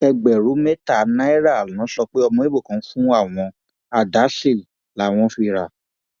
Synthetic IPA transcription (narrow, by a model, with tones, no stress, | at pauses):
ɛ˧ɡ͡bɛ˨ɾu˨˦me˦ta˦˨nã˦i˦ɾa˦˨lã˨˦ʃɔ˧k͡pe˦ɔ˧mɔ̃˧i˦bo˦˨kã˨˦fũ˦a˦˨w̃ɔ̃˧ | a˨da˨˦ʃe˦˨ | la˨w̃ɔ̃˧fi˧˨ɾa˨